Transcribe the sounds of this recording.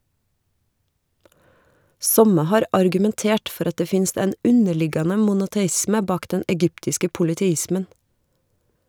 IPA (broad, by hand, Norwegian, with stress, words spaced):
ˈsɔmə ˈhɑːɾ ɑɾɡʉmɛnˈteːʈ ˈfɔɾ ˈɑt ˈdeː ˈfɪnst ˈɛn ˈʉnəˌɭɪɡɑnə mʊnʊtɛˈɪsmə ˈbɑːk ˈdɛn ɛˈɡʏptɪskə pʊlɪtɛˈɪsmən